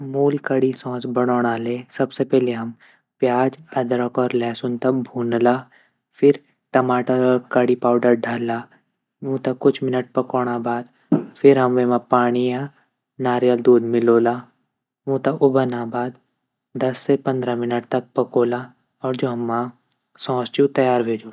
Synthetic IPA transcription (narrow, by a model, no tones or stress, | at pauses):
muːlkɐɽisɔ̃ːsbɐɽ̃oːɽ̃aleːsɐbsepɛɦleɦɐm | pjaːd͡ʒɐd̪ɾəkɔːɾlɛːsʊnt̪ɐbʱuːnlaː | fʰɪɾ | ʈɐmaːʈaɾɔːɾkɐɽipaːʊɖəɾɖʱaːlːaː | ʋũt̪ɐkːʊt͡ʃʰmɪnəʈ̚pɐkoːɽ̃abaːd̪ | fʰɪɾɦɐmʋemãpaːɽ̃ijã | naːɾjəld̪uːd̪mɪloːlaː | ʋũːt̪ɐʔʊbənabaːd̪ | d̪ɐsːepɐ̃nd̪ɾamɪnəʈ̚t̪ɐk̚pɐkoːla | ɔːɾd͡ʒoːɦɐmːã | sɔ̃ːst͡ʃut̪ɐjaːɾbʱeːd͡ʒoː